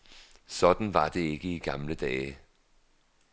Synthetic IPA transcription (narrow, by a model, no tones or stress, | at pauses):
sɒ̽d̥n̩ʋɑ̈d̥e̝e̝ɡ̥əiɡ̥ɑ̈mləd̥ɛː